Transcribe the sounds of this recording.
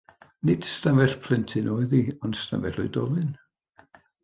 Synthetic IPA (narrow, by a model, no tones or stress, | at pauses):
nɪd̥stamɛɬpʰl̥ɪntʰɨnʔoːɨðiɔnsta̰mɛ̰ɬʊjdɔlˠɨn